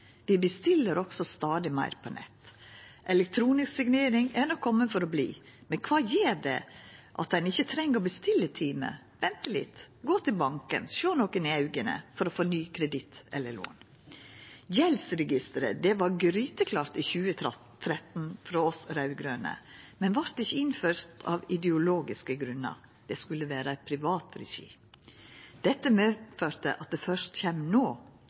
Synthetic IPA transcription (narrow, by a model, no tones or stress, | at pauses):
ʋɪbəst̪ɪlːəɾɔɡ̥sɔst̪ɑːd̪ɪmæ̰ɪɾpʰɔnʔɛ̰t̪ːʔɛlɛk̚t̪ʰɾuːnɪsksɪɡneːɾɪŋæɾɳɔkʰːɔmːənfɔɾɔblḭː | mɛnkʰʋɑːjeːɾd̪ɛ̰ʔɑt̪̚d̪ɛnɪçːət̪ʰɾɛŋːəɔbəst̪ɪlːət̪ʰiːmə̰ | ʋɛnt̪əlɪ̰t̪ | ɡoːt̪ʰɪlbɑŋkə̰nʃøːnoːkənɪɑʉɡənə̰fɔɾɔfɔːnyːkʰɾɛd̪ɪt̪ʔɛ̰lːəɭo̰ːn | jɛlsɾɛɡɪst̪əɾəd̪ɛʋɑɾɡɾyːt̪əkʰlɑːɾt̪iːçʉːə | t̪ʰːɾɛt̪n̩fɾoːɔsɾɑʉɡɾøːnə̰mɛnʋɑɾt̪ɪçːəɪnføːɾt̪ʰɑ̰ːʋɪd̪ɛʊloːɡɪskəɡɾʉnə̰ɾ | d̪̥ɛskʉlːəʋæːɾəæɪpʰɾɪʋɑːt̪ɾɛ̰ʃḭː | d̪̥ɛt̪ːəmeːføːɾt̪ə̰ʔɑt̪̚d̪ɛːfœʂt̪çɛmnoː